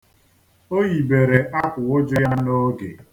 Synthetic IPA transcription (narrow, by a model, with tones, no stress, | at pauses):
o˦ɣi˨be˨ɾe˨ʔa˦kʷʊ˨ʊ˦d͡ʒʊ˦ja˦no˦ɡḛ˨